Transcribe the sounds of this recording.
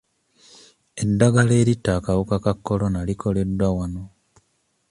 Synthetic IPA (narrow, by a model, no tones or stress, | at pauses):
e̞dːaɡale̞ːɾitːaːkawukakakːo̞lo̞nalikʰo̞le̞dːwawano̞